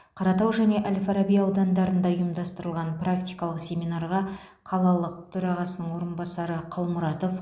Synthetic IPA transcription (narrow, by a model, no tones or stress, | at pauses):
qʰɑɾɑt̪ɑwʒæne̞ʔælʲfaɾabijɑwd̪ɑnd̪ɑɾənd̪ɑujəmd̪ɑst̪əɾəlˠʁɑnprakt̪ijkɑlˠəqsʲe̞mijnɑrʁɑ | qʰɑlˠɑlˠəq̚t̪ʰɵɾɑʁɑsənəɴwo̞ɾənbɑsɑɾəqʰɑlˠmʊɾɑt̪o̞f